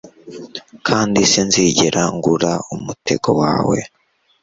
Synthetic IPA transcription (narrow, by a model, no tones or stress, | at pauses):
kʰaːndisinziɟeɾʔaŋɡuɾaumute̞ɡowaːwe̞̰